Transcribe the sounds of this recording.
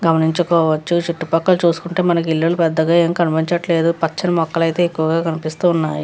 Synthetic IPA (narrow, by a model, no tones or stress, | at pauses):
ɡɐmɐniɲt͡ʃukɔːʋɐt͡ʃːut͡ʃiʈːupɐkːɐlt͡ʃuːsu̥kuɳʈe̞ːmɐnɐk̬ilːulupɛd̪ːɐɡaːeːmkɐnipiɲt͡ʃɐʈle̞ːd̪upɐt͡ʃːɐnɐmɔkːɐlɐjt̪e̞ːekːuʋɐɡaːkɐnipist̪uːnːaːju